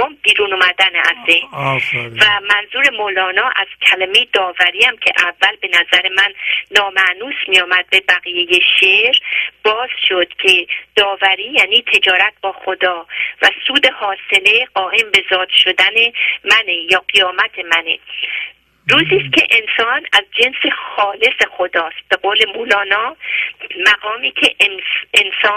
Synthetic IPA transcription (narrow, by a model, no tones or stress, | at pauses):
mb̥iːɾunumæd̪ænæ̰zːehnvæmænzuːɾe̞molɒːnɒːʔæz̥cʲʰæleme̞jed̪ɒːvæɾiːæmcʰe̞̰ʔævːælbe̞næzæɾe̞mænːɒːmæʔnuːsmijɒːmæd̪̚be̞bæɣijejeʃeɾb̥ɒːz̥ʃod̪̥cʰe̞d̪̥ɒːvæɾiːjæːniːt̪ʰe̞d͡ʒɒːɾæt̪̚bɒːxod̪ɒːvæsuːd̪e̞hɒːse̞le̞ɢɒːʔe̞mbe̞zɒːd̪ʃo̞d̪æne̞mænejɒːɢijɒːmæt̪ʰe̞mænḛ | ɾuːziːst̪ce̞̰ʔensɒːnæzd͡ʒe̞nsexɒːle̞sexod̪ɒːst̪̚b̥e̞ɡoːle̞muːlɒːnɒː | mæɣɒːmiːcʰe̞̰ensɒː